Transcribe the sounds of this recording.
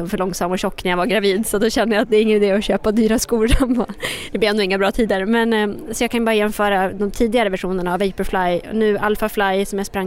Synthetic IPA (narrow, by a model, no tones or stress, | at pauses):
ɔmfœɭɔŋsamɔɕɔkːnæɾjavaɡɾaviːd̪sɔt̪̚d̪ɔɕɛnd̪əjat̪̚d̪ɛɾɪŋːənɪd̪eːɔɕøːpad̪yːɾaskuːlanɔd̪ɛbleɛnd̪ɔɪŋːabɾɑːt̪ʰiːd̪əɾmɛnsɔjaːkʰanjbɑːɾajɛnfœːɾad̪ɔmt̪ʰiːd̪ɪɡaɾəvæʂuːnəɳaːvɛɪpəɾflaj̰nʉ̟ːʔalfaflajsɔmjaspɾaŋː